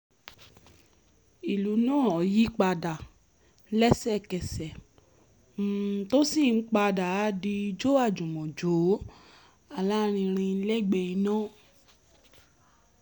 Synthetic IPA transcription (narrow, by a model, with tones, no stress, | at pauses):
i˨lu˨˦nãː˦˨ɔ˨ji˦k͡pa˧da˨˦ | lɛ˦sɛ˦˨kɛ˨sɛ˨ | m̩˨to˦si˦˨n̩˦k͡pa˧da˨˦di˧d͡ʒo˦a˦˨d͡ʒũ˨mɔ̃˨d͡ʒo˨˦ | a˦˨la˦ɾ̃ĩ˧ɾ̃ĩ˧˦lɛ˦˨ɡ͡bɛ˧i˧nã˦˨